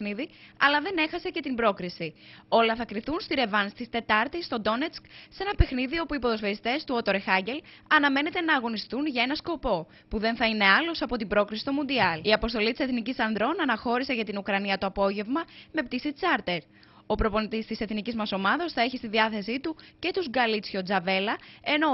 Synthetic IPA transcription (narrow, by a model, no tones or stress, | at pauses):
niðiɐ̰lɐðe̞ne̞xɐse̞ce̞t̪imbɾo̞kɾisio̞lɐθɐkɾiθunst̪iɾe̞vɐnst̪ist̪e̞t̪ɐɾt̪ist̪o̞d̪o̞net͡skse̞nɐpe̞xniðio̞puipo̞ðo̞sfeist̪e̞st̪uo̞t̪o̞ɾexɐɲɟe̞l | ɐnɐme̞net̪e̞nɐːɣo̞nist̪unʝɐe̞nɐsko̞po̞ | puðe̞nθɐine̞ɐlo̞sɐpo̞t̪ibɾo̞kɾisi̥t̪o̞mund̪iɐliɐpo̞st̪o̞lit̪ise̞θnicisɐnd̪ɾo̞nɐnɐxo̞ɾise̞ʝɐt̪inukɾɐniɐt̪o̞ɐpo̞ʝe̞vmɐme̞pt̪isit͡sɐɾt̪e̞ɾ | o̞pɾo̞po̞nit̪ist̪ise̞θnicizmɐso̞mɐðɐsθɐe̞çist̪iðiɐθe̞sit̪uce̞t̪uzɡɐlit͡sçod͡zɐve̞lɐe̞no̞